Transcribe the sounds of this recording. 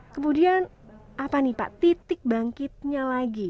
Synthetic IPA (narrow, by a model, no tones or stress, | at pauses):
kəmudian | apanipa̰ʔt̪it̪ɪk̚baŋkɪt̪̚ɲalaɡi